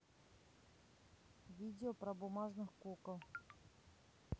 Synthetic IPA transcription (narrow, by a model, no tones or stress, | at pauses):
vʲidʲɪopɾɐbʊmaʐnɨxkukəlˠ